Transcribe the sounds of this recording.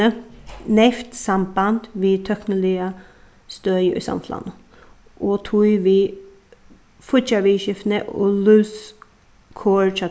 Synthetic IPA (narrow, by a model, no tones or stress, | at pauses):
ənɛft̪samband̪̥ʋiːt̪ʰœknəlɪə | st̪œːjəʔʉ̰sa̰mfʰla̰nə | ʔot̪ʰujʋiː | fʊt͡ʃaʋiːʃɪfnəʔo̰lʉːs | kʰoːɹt͡ʃa